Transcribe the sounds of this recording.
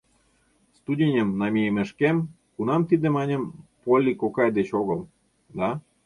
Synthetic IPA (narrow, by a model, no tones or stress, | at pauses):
st̪udʲenʲəmnɑmʲijemĕʃkem | kunɑmt̪id̪ĕmɑnʲə̆mpolʲːikokɑjd̪et͡ɕoɣɤ̆l | d̪ɑ